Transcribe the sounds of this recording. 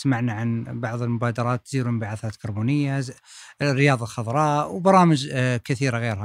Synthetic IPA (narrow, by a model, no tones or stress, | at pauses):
smaʕnaʕanbɑʕd̪ˤəlmʊbæd̪ɑɾˤɑt̪ːziɾumbaʕaθæt̪kɑɾˤbunəjːa | rːəjɑd̪ˤɑlxɑd̪ˤɾˤɑwbɑɾˤɑməʒkət̪iɾaɣiɾha